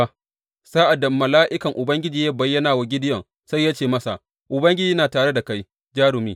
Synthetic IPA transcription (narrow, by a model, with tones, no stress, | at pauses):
saː˦ʔa˨dɐ˨mːɐ˨laː˦ʔɪ˦kɐ˨ŋʔʊ˨bɐ˦ŋɡʲɪ˦d͡ʒiː˨ja˦bɐ˨jːɐ˦naː˨wa˨ɡʲɪ˦dɪ˦jɔ˨ŋ | sa˦jːa˦t͡ʃeː˨mɐ˦sa̰˨ | ʔʊ˨bɐ˦ŋɡʲɪ˦d͡ʒiː˦naː˨taː˨ɽe˦da˨ka˦j | d͡ʒaː˦ɽʊ˨miː˦